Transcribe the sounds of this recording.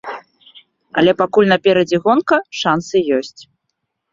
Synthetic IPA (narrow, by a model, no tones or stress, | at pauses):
ɐ̰lʲɛpakulʲnɐpʲɛɾɐd͡zʲɛɣɔnkɐʂansɨjɔsʲt͡sʲ